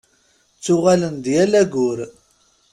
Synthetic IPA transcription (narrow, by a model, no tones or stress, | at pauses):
t͡sːʊʁælənd̪jælæɡʊɾ